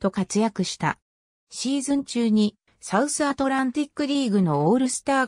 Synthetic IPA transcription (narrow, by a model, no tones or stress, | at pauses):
t̪o̞kat͡sɨjakɯ̟ɕi̥t̪a̰ | ɕiːzɨ̃ɲt͡ɕɨːɲ̟i | saɯ̟sɨat̪o̞ɾãnt̪ʲikːɯ̟ɾʲiːɡɯ̟no̞oːɾɯ̟sɨ̥t̪aː